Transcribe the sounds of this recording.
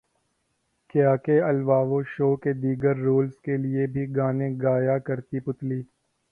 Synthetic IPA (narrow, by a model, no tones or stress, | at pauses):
kjaːkeɐlʋaːʋoʃoːked̪iːɡəɾːoːlskelɪebʱiɡaːnẽɡaːjakɐɾt̪ipʊt̪liː